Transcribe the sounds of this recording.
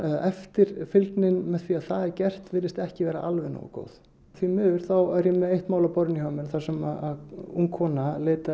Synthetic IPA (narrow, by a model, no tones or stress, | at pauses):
ɛft̪ɪɾ̥fɪlknɪnmɛðθviaðθaðɛɾcɛr̥t̪vɪlːɪst̪ɛhcɪvɛːɾaʔalvɛno̰ːwa̰ko̰ːwð | θvimʏːðʏɾ̥θawɛɾjɛmɛðejht̪maːwlapɔɾɪnihaːmɪnθḁsɛmaðaðuŋkʰɔnaleːjt̪a